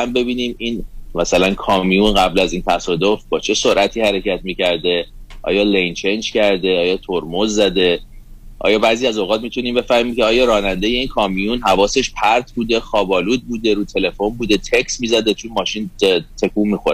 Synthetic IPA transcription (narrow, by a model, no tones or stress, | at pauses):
æmbe̞biːniːmiːnmæsælænkʰɒːmijunɣæblæziːnt̪ʰæsɒːd̪o̞fbɒːt͡ʃʰe̞so̞ɾʔæt̪ʰiːhæɾe̞cʰæt̪miːcæɾd̪eʔɒ̰ːjɒːlejnt͡ʃʰend͡ʒcæɾd̪e̞ɒːjɒːt̪ʰoɾmozːæd̪e̞ | ʔɒ̰ːjɒːbæːziːæzoɣɒːt̪̚miːt̪ʰuniːmbe̞fæhmiːncʰeɒːjɒːɾɒːnænd̪ejeiːnkʰɒːmijunɦævɒːse̞ʃpʰæɾt̪ʰbuːd̪e̞xɒːbɒːluːd̪̚buːd̪e̞ɾuːt̪ʰe̞le̞fo̞nbuːd̪e̞t̪ʰe̞csmiːzæd̪e̞t͡ʃʰunmɒːʃint̪ʰe̞kʰuːmiːxoɾ